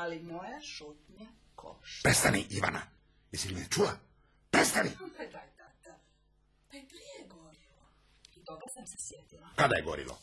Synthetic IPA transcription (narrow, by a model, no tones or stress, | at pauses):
alimojaʃut̪ɲa | kʰo̰ʃpɾest̪aniʔiʋa̰na̰ | isilminet͡ʃula | pɾest̪aniad̪at̪at̪a | paipɾijeɡoɾilo | it̪oɡasamsɛsjet̪ilakad̪ajeɡo̰ɾḭlo̰